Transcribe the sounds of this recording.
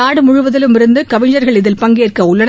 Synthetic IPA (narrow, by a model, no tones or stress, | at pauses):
aːɽɯmʊɻʊʋɐðɪlɯmɪɾɯnd̪ɯkɐʋɪɲːɐɾɣɐɭɪðɪlpɐŋɡeːrkɐʊɭːɐn